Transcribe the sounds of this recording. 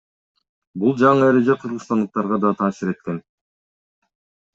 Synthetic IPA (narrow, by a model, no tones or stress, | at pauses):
bulˠd͡ʒɑɴɯe̞ɾe̞d͡ʒeqʰɯɾʁɯst̪ɑnd̪ɯq̚t̪ɑɾʁɑd̪ɑt̪ʰɑːsiɾe̞t̪̚ke̞n